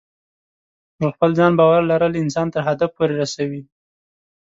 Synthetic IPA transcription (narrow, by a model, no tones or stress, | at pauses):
əxpəld͡zɑnbɑwaɾlaɾəlɪnsɑnt̪əɾɦad̪afpoɾeɾasawi